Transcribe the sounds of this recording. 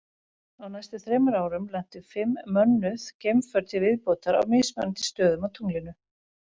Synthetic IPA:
awnajst̪ʏθɾɛːmʏɾaːwɾʏmlɛn̥t̪ʏfɪmːœnːʏðcejmfœɾt̪ɪvɪðpɔːt̪aɾa̰wmɪsmœ̰nt̪ʰɪ̥st̪œːðʏmawt̪ʰuŋlɪnʏ

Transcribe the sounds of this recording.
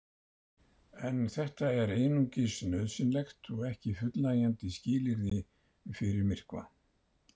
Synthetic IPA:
ɛnθɛht̪aɛɾeːjnuɲcɪsnœðsɪnlɛxt̪ɔɣɛhcɪfʏt̪lajɛnt̪ɪsciːlɪɾðɪ | fɪɾɪɾmɪr̥kva̰

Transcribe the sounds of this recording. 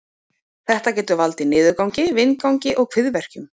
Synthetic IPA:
θɛht̪acɛːt̪ʏvalt̪ɪnɪːðʏɾkawɲcɪvɪnkawɲcɪʔɔɣkʰvɪðvɛr̥cʏm

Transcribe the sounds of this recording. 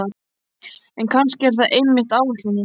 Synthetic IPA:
a | ɛnkʰanscɪɛɾ̥θaðʔejmːɪht̪aːwɛht̪ɪnɪ

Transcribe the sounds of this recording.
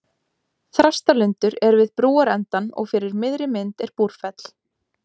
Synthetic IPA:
θɾast̪alʏnt̪ʏɾɛɾvɪðpɾuːaɾɛnt̪anɔ̰ɣfɪɾɪɾmɪðɾɪmɪnt̪ɛɾ̥puɾ̥fɛt̪l̥

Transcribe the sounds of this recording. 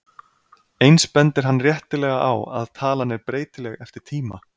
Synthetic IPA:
ejnspɛnt̪ɪɾ̥ɦanːrjɛht̪ɪlɛːɣaʔawa̰ðt̪ʰaːlanːɛɾpɾeːjt̪ɪlɛɣɛft̪ɪɾ̥t̪ʰiːma̰

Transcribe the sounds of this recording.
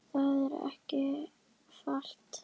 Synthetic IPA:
θaðɛɾɛ̰hcɪ | fal̥t̪

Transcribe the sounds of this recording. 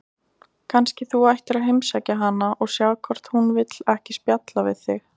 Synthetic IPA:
kʰanscɪθuajht̪ɪɾaðɦɪjmsacaɦanːaʔɔɣsjawkʰɔr̥t̪hunvɪt̪lɛhcɪspjat̪lavɪ̰ðθɪx

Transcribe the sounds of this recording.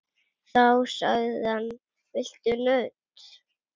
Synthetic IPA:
θawsœ̰ɣðan | vɪl̥t̪ʏnœɥt̪

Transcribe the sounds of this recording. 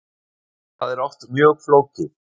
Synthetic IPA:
θaðɛɾɔwht̪mjœːɣfloːwcɪ

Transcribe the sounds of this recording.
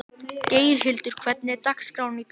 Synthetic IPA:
ceːjɾ̥ɦɪlt̪ʏɾ̥kʰvɛt̪̚nɪt̪ahkskɾawnnit̪

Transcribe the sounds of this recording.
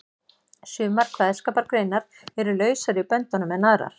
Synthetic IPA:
sjʏːmaɾ̥kʰvaːðskaːpaɾkɾeːjnaɾ̥ | ɛɾʏlœːɥsaɾɪpœnt̪ɔnʏmɛðnaðɾa̰ɾ̥

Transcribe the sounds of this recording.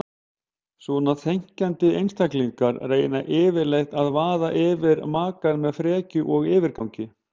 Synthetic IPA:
sɔnaθejɲ̥cant̪ɪejnst̪ʰakliŋkaɾreːjnaʔɪːvɪɾlejxt̪aðvaːðaʔɪːvɪɾmaːkanmɛðfɾɛːcʏʔɔɣɪːvɪɾkawɲcɪ

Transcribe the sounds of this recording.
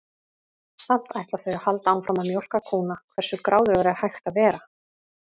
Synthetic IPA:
sam̥t̪ajht̪laθœɥahalt̪aawnfɾamaðmjowl̥kakʰuːnakʰvɛr̥sʏkɾʔaːwðʏvaɾahajxt̪avɛːɾa

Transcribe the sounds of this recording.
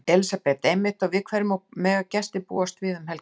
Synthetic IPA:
ɛlsapɛt̪ejmɪht̪aɣvɪðkʰvɛɾʏmawmɛːɣacɛst̪ɪpṵːast̪vɪːðʏmhɛl

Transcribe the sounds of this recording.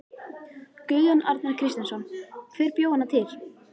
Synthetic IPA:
kʏːɣanʔaɾt̪naɾ̥kʰɾɪst̪ɪnsɔnkʰvɛɾpjoːwhanːat̪ʰɪl̥

